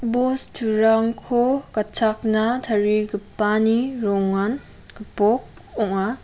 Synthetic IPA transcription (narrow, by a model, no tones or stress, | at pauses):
bostʰuɾaŋkʰokɐt͡ʃʰak̚natʰɐɾiɡɯpːaniɾɔŋan | ɡ̥ɯpɔk̚ | ɔŋa